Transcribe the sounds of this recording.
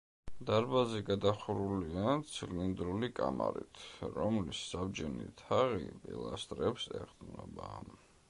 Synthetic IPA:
d̪aɾbazɛɡad̪aχuɾuliat̪sʰillind̪ɾulikʼamaɾḭt̪ʰɾɔmlisːabd͡ʒɛnḭt̪ʰaʁḭbʼilˠast̪ʼɾɛpsɛ̰χd̪nɔba

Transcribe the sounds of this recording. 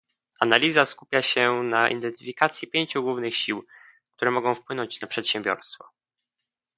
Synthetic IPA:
analʲizaskupʲjaɕɛnaʔḭnd̪ɛnt̪ɘfʲikat̪sʲjipʲjeɲt͡ɕuɡwuvnɘxɕiw | k̚t̪uɾɛmɔɡɔ̃w̃fpwɘnɔɲt͡ɕnapʂɛt̪ɕɛ̃mbʲjɔ̰ɾst̪fɔ̰

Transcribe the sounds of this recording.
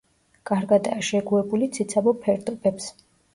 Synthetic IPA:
ɡ̥ʼaɾɡad̪aːʃɛɡuɛbulit̪sʰit̪sʰabɔpʰɛɾd̪ʼɔbɛps

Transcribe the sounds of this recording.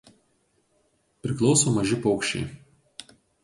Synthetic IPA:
pʲɾʲɪklˠɒʊsoːmɐʒʲɪpɒʊkʃʲt͡ʃʲɛ̰ɪ

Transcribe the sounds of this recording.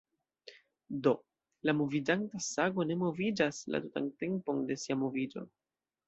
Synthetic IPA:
do̞ | lamo̞vid͡ʒantasaɡo̞ne̞mo̞vid͡ʒasla̰tuta̰nte̞mpo̞nde̞siamo̞vid͡ʒo̞̰

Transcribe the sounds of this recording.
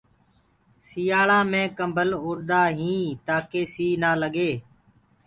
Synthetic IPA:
sɪjaːɭãːmẽːkəmbʱəlʊːɽd̪aːɦĩːt̪aːkeːsiːnaːləɠeː

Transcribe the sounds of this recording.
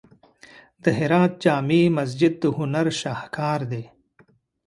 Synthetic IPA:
d̪əɦɪɾaːt̪̚d͡ʒaːmiːmɐz̬d͡ʒɪd̪̚ːəhʊnɐɾʃaːhkʰaːɾd̪eː

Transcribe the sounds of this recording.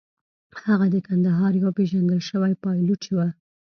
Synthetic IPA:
haɣad̪əkand̪aɦɑɾjawpeʒand̪əlʃəwajpɑjlut͡ʃewa

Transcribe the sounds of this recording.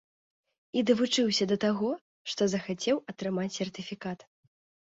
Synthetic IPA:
id̪ɐvut͡ʂɨwsʲɐd̪ɐt̪aɣɔ | ʂt̪ɔzɐxat͡sʲɛwɐt̪ɾɨmat͡sʲsʲɛrt̪ɨfʲikat̪

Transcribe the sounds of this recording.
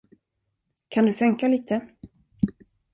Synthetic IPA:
kʰand̪ɵsɛŋkaliːt̪ʰə

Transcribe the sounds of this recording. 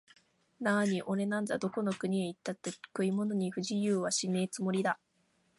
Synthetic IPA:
naːɲ̟iʔo̞ɾe̞nãnd͡zad̪o̞ko̞no̞kɯ̟ɲ̟ieit̪ːat̪ːe̞̥kɯ̟imo̞no̞ɲ̟iɸɯʑijɯːβaɕine̞ːt͡sɨmo̞ɾʲid̪a

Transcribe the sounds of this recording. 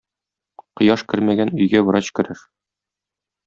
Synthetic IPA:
qŏjɑʃkɘ̆ɾmæɡænɵ̆jɡæbɤ̆ɾɑɕkɘ̆ɾɘʃ

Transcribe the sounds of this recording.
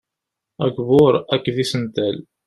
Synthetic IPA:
æɡvʊɾækːðisənt̪æl

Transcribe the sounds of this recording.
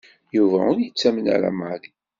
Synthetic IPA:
juvæʊɾjət͡sːæmənæ̰ɾa̰mali

